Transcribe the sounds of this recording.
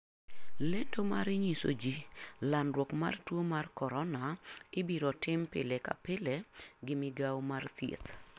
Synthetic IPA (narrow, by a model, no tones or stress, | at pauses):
lendoma̰ɾɪɲiso̰d͡ʒilanɾwɔkma̰rtwomarkɔɾɔnaɪbiɾɔtɪmpɪ̰leka̰pɪleɡɪmɪɡawmart̪jḛt̪